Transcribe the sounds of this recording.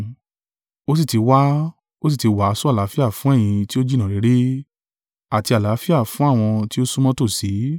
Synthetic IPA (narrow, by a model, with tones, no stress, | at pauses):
o˦s̬i˦˨ti˨˧wa˦ | o˦s̬i˦˨ti˨˧wa˨˦˨su˦a˦˨la˨˦fi˦a˦˨fũ˦ɛ˦˨j̃ĩ˧ti˦o˦d͡ʒi˦˨nã˨ɾe˨˦ɾe˦ | a˦˨ti˧a˨la˨˦fi˦a˦˨fũ˨˦a˦˨w̃ɔ̃˧ti˦o˦su˦mɔ̃˦to˦˨si˨˦